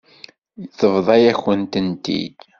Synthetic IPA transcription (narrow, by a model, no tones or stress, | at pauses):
jθəvðˤɑjæçənt̪ənt̪ḭd̪